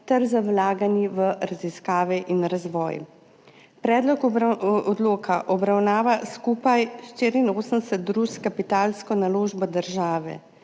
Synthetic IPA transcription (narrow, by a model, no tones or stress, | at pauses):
t̪ɛɾzawlaːɡaniʋəɾaziskaːʋɛʔinɾazʋɔ̰ːj | pɾɛːd̪lɔkɔd̪loːkʰaʔɔbɾawnaːʋaskuːpajʃt̪iːɾinoːsənd̪ɛsɛt̪̚ːɾuskapit̪aːlskɔnaloːʒbɔd̪əɾʒaːʋɛ̰